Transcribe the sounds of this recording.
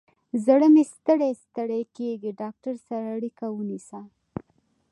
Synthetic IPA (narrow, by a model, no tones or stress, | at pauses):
zəɽəmest̪əɽest̪əɽekeɡiɖɑk̚ʈaɾsaɾaːɽikawənisa